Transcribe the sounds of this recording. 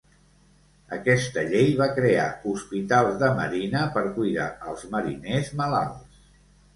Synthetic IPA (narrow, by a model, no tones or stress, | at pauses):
əkɛst̪əʎejβakɾea̰uspit̪alˠzðəmə̰ɾinəpəɾkujða̰əlˠzməɾḭnezməla̰lˠs